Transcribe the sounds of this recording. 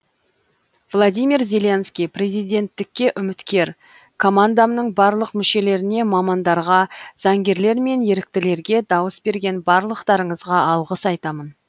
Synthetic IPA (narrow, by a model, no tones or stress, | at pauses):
vlˠod̪ʲijmʲirzʲe̞le̞nskʲijprʲe̞zijd̪ʲe̞nt̪ːɪkʲːe̞ʔʏmɪt̪kʲe̞ɾ | kʰo̞mand̪amnəɴbɑɾlˠəqmʏʃe̞le̞ɾɪne̞mɑmɑnd̪ɑɾʁɑz̥ɑŋɡʲe̞ɾle̞ɾme̞nje̞ɾɪk̚t̪ɪle̞ɾɡʲe̞d̪ɑwəsbe̞ɾɡʲe̞nbɑɾlˠəqt̪ɑɾəɴəzʁɑɑlˠʁəsɑjt̪ɑmən